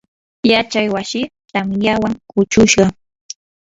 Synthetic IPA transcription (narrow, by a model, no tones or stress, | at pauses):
jat͡ʃajwasɪt̪amjawaŋʊt͡ʃʊʃɢɑ